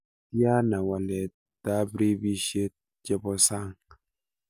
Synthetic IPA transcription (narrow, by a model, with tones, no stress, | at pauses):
tja˦na˨wa˨le˨t̚ | ta˦bɾi˦bi˦ʃe˦t̚ | d͡ʒe˦bɔ˦sa˦ŋ